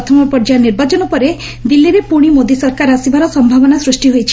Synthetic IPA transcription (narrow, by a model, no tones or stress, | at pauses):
ɔt̪ʰɔmɔpɔɾd͡ʒaniɾbat͡ʃɔnupɔɾe | d̪ilːiɾepuɽ̃imod̪isɔɾkaɾasibaɾɔsɔmbʱabɔnasɾusʈiɦojt͡ʃʰi̥